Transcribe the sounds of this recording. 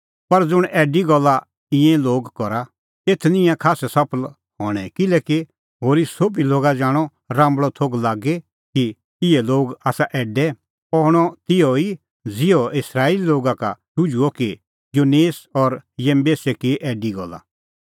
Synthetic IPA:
pɐɾd͡zʊɽ̃ʔɛːɖiɡɔlːa | ɪ̃ɛ̃loːɡkɔɾa | eːt̪ʰnɪ̃jãkʰaːsɛsɐpʰəl | hɔːɽ̃ɛkɪlɛːki | ɦoːɾisoːbiloːɡad͡ʒãːɽ̃ɔ | ɾãːmbɭɔt̪ʰoːɡlaːɡɛ | ki | ɪɛloːɡaːsaʔɛːɖɛ | pɔɦɽ̃ɔt̪ɪjɔi | d͡zɪjɔɪsɾaːililoːɡaka̰ʈʊd͡ʒuɔki | joːneːsɔɾjẽmbeːsɛkiʔɛːɖiɡɔ̰lːa̰

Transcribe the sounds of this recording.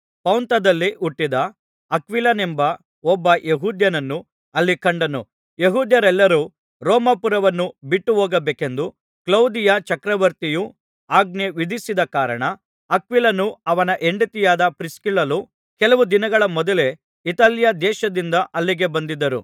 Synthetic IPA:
pɐwnt̪ɐd̪ɐlːiʔuʈːid̪ɐː | kʋilɐnembɐ | ɔbːɐjeɦuːd̪jɐnɐnːu | ɐlːikɐɳɖɐnṵ | jeɦuːd̪jɐɾɛlːɐɾuː | ɾɔːmɐpuɾɐʋɐnːubiʈːuɦoːɡɐbeːke̞nd̪u | klɐwd̪ijɐt͡ʃɐkɾɐʋɐɾt̪iju | aːɡ̚neʋid̪isid̪ɐkaːɾɐɳɐː | kʋilɐnuɐʋɐnɐʔe̞ɳɖit̪ijaːd̪ɐpɾiskilːɐlu | kɛlɐʋud̪inɐɡɐɭɐmɔd̪ɐle̞ | it̪aːljɐd̪ɛːʃɐd̪ind̪ɐʔɐlːiɡe̞bɐnd̪id̪ɐɾṵ

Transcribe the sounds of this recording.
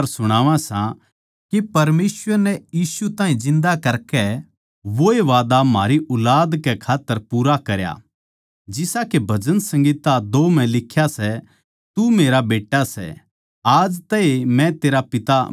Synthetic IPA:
ɾsʊɽ̃aːʋãsã | kipɐɾmeːsʋəɾnɛjiːsut̪ãːɦĩzɪ̃nd̪akɐɾkɛ | ʋoeʋaːd̪amaːɾiʔʊlaːd̪kɛkʰaːt̪ːəɾpuːɾakɐɾja̰ | d͡ʒɪsakebʱɐd͡ʒənsɐ̃ŋɡiːt̪ad̪oːmɛ̃lɪkʰːjasɛ | t̪umeːɾabeːʈːasɛ̰ | aːd͡ʒt̪ɛemɛ̃t̪eːɾapɪt̪a

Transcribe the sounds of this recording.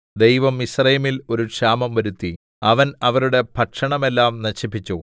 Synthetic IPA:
d̪ejʋɐmisrɐjɐmilo̞ɾukʂaːmɐmʋɐɾut̪ːi | ɐʋɐnɐʋɐɾuɽe̞pʰɐʈʂɐɳɐme̞lːaːmnɐɕipːit͡ɕːu

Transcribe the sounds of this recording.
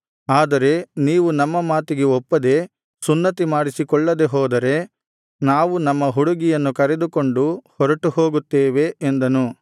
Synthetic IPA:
aːd̪ɐɾe̞niːʋunɐmːɐmaːt̪iɡeɔpːɐd̪e̞ | sunːɐt̪imaːɽisikɔɭːɐd̪e̞ɦɔːd̪ɐɾe̞ | naːʋunɐmːɐɦuɽuɡijɐnːukɐɾe̞d̪uko̞ɳɖuhɔɾɐʈuho̞ːɡut̪ːeːʋe̞ːnd̪ɐnu

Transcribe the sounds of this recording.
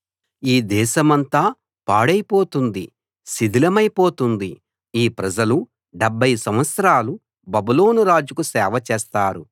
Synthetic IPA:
iːd̪ɛːʃɐmɐnt̪aː | paːɽɐjpo̞ːt̪und̪ḭ | sid̪ʱilɐmɐjpo̞ːt̪und̪i | iːpɾɐd͡ʒɐlu | ɖɛbʱːɐjsɐmʋɐt̪sɐɾaːlu | bɐbulo̞ːnuɾaːd͡ʒukusɛːʋɐt͡ʃɛːst̪aːɾu

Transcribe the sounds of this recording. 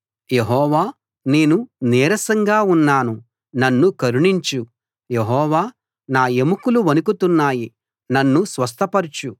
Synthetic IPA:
je̞ɦɔːʋaː | ne̞ːnunɛːɾɐsɐŋɡaːunːaːnu | nɐnːukɐɾuɳiɲt͡ʃu | jeɦɔːʋaː | naːe̞mukuluʋɐnukut̪unːaːji | nɐnːusʋɐs̬t̪ʰɐpɐɾt͡ʃu

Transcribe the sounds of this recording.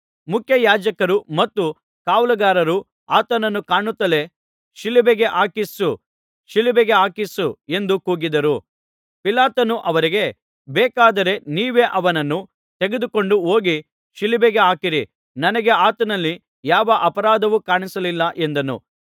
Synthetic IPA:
mukʰjɐjaːd͡ʒɐkɐɾumɐt̪ːu | kaːʋulɐɡaːɾɐɾu | aːt̪ɐnɐnːukaːɳut̪ːɐle̞ | ʃilibeɡe̞ʔaːkisu | ʃilibeɡe̞aːkisue̞nd̪ukuːɡid̪ɐɾu | pilaːt̪ɐnuʔɐʋɐɾiɡe̞ | bɛːkaːd̪ɐɾe̞niːʋe̞ːʔɐʋɐnɐnːu | t̪eɡed̪uko̞ɳɖuoːɡi | ʃilibeɡe̞aːkiɾi | nɐnɐɡe̞aːt̪ɐnɐlːi | jaːʋɐʔɐpɐɾaːd̪ɐʋukaːɳisɐlilːɐʔe̞nd̪ɐnṵ

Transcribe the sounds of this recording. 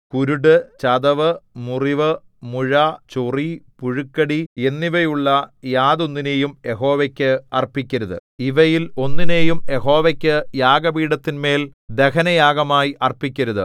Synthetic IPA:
kuɾuɽɨt͡ɕɐd̪ɐʋɨmuriʋɨ | muɻɐt͡ɕuripuɻukːɐɽie̞nːiʋɐjuɭːɐjaːðonːine̞ːjumje̞ɦo̞ːʋɐkʲːɨɐrpikʲːɐɾuðɨ̰iʋɐjilo̞nːine̞ːjumjeɦo̞ːʋɐkʲːɨjaːɡɐbiːɽɐt̪ːinme̞ːld̪e̞kɐnɐjaːɡɐmaːjiʔɐrpikʲːɐɾuðɨ̰

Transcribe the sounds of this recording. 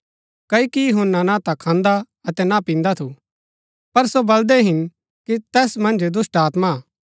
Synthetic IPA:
kɐikijʊɦʊnːanãt̪akʰãːnd̪a | ɐt̪ɛnapĩːnd̪at̪ʰu | pɐɾsobɐld̪ɛɦɪn | kit̪ɛːsmɐ̃nd͡ʒd̪ʊsʈaːt̪maː

